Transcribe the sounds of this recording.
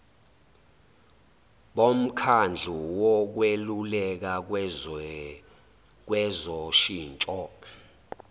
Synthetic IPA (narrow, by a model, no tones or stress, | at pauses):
ɓom̩kʰand͡ɮʱuwɔk̬welulɛk̬a | k̬wɛzɔʃiːnt͡ʃʼɔ